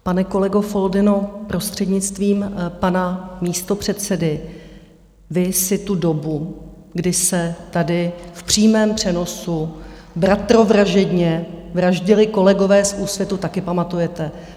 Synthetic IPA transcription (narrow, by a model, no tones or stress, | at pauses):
panɛko̞lɛɡofo̞ldɪnopɾo̞st̪r̝̥ɛdɲɪt͡st̪viːmpanamiːst̪o̞pr̝̥ɛt̪sɛdɪ | vɪsɪt̪udo̞bu | ɡdɪsɛt̪adɪfpr̝̥iːmɛːmpr̝̥ɛno̞subɾat̪ɾo̞vɾaʒɛdɲɛvɾaʒɟɪlɪko̞lɛɡo̞vɛːsuːsvjɛt̪ut̪akɪpamat̪ujɛt̪ɛ